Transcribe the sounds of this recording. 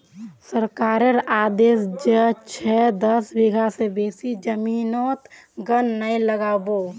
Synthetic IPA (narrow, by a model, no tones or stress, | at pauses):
səɾkaːɾəɾaːd̪eːsd͡ʒət͡ʃʰɛd̪əsbɪɡʱasebeːsid͡ʒəmiːnoːt̪ | ɡənːəiləɡaːboː